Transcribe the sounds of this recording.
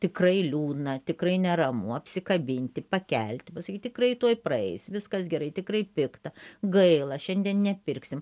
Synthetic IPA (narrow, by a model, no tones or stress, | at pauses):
t̪ʲɪkrɐɪlʲuːd̪nɐt̪ʲɪkrɐɪnʲɛɾɐmʊɐpʲsʲɪkɐbʲɪnʲt̪ʲɪpɐkʲɛlʲt̪ʲɪpɐsɐkʲiːtʲɪkrɐɪt̪uɔjprɐɛɪsʲʋʲɪskɐsɡʲɛɾɐɪt̪ʲɪkrɐɪpʲɪkt̪ɐɡɐɪlˠɐʃʲɛnʲd̪ʲiɛnnʲɛpʲɪrʲksʲɪm